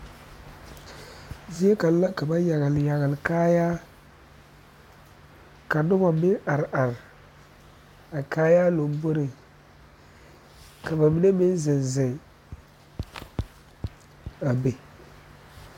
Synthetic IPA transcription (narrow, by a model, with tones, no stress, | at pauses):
zi˦e˦ka˨la˦ka˨ba˦ja˨ɣɪ˨lja˨ɣɪ˨lkaː˦jaː˦ | ka˨nʊ˦bɔ˨mɪ˦a˨ɾʔa˨ɾ | a˨kaː˦ja˦lo˨˦bo˦ɾɪ˨ | ka˨ba˨mi˦ne˦mɪ˦n˦zɪ˨nzɪ˨ŋ | a˨be˨